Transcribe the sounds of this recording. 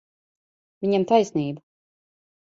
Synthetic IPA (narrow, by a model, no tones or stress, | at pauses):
viɲamt̪ajsniːbu